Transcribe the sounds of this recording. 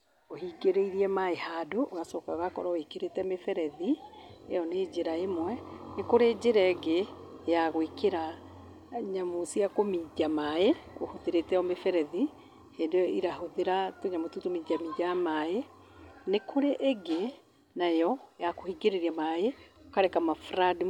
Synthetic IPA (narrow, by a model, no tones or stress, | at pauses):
ohiɡeɾeiɾiɛmaehadoʔoɣasɔːkaɣakɔɾɔikeɾetɛmefɛɾɛði | ḛjɔned͡ʑeɾaemwɛnekoɾed͡ʑeɾɛɡe | jaɣwekeɾa | ɲamosiakomid͡ʒamaeohoðeɾetɛɔmefɛɾɛði | heːndojɔʔiɾahoðeɾatoɲamotutomid͡ʑamid͡ʒamae | nekʰoɾeʔːɡe | naejɔjakohiɡeɾeɾiamaeokaɾɛkamafɾadi